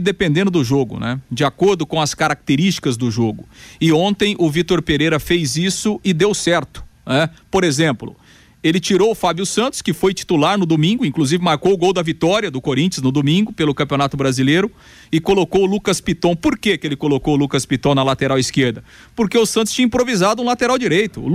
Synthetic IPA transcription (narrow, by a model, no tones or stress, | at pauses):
d̪epẽnd̪ẽnd̪ʊd̪ʊʒoɡʊ̰nɛ̰d͡ʒɪakoɾd̪ʊkõɐskaɾak̚t̪eɾist͡ʃi̥kɐzd̪ʊʒoɡʊɪõnt̪ẽj̃ʔʊvit̪oɾpeɾejɾɐfejzisʊɪd̪ewsɛɾt̪ʊ̥nɛpoɾezẽmplʊ̰ | elɪt͡ʃiɾowʊfabjʊsɐ̃nt̪ʊ̥skɪfojt͡ʃi̥t̪ulaɾnʊd̪omĩɡʊĩkluzivɪmaɾkowʊɡowd̪ɐvit̪ɔɾjɐd̪ʊkoɾĩt͡ʃɐznʊd̪omĩɡʊpelʊkɐ̃mpiõnat̪ʊbɾazilejɾʊ | ɪkolokowʊlukɐspit̪õw̃poɾkekelɪkolokowʊlukɐspit̪õw̃nɐlat̪eɾawiskeɾd̪ɐ | poɾkeʊsɐ̃nt̪̬ʊ̥st͡ʃĩɐ̃ĩpɾovizad̪ʊũlat̪eɾawd͡ʒiɾejt̪ʊ̰